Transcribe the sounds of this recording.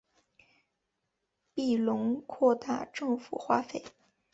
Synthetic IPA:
pi˥˩lʊ˧˥ŋkʰwɔ˥˧t̪a̰˥˧ʈ͡ʂɤ˥˩ŋfṵ˨˩xwa˥fe˥˩ɪ

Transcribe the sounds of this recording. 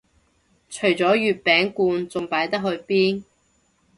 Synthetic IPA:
t͡ʃʰɵ˨˩ɥt͡sɔː˨˥jyː˨t̚pɛː˨˥ŋkuː˧nt͡sʊ˨˧ŋpaː˨˥jt̪ɐ˥k̚hɵ˧ɥpiː˥n

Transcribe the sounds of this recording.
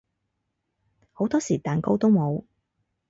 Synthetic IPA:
ho˨˥wt̪ɔː˥siː˨˩t̪aː˨nko˥wt̪o˥wmo˨˧w

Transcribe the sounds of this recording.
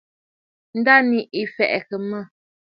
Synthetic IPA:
n̩˦da˦ni˨ʔi˨fɛ˨ʔɛ˨kə˨mə˦˨

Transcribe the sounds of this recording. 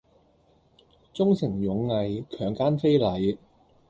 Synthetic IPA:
t͡sʊ˥ŋsɪ˨˩ŋjʊ˨˧˥ŋːɐ˨˧jkʰœː˨˩ŋkaː˥nfe˥jlɐ˨˧j

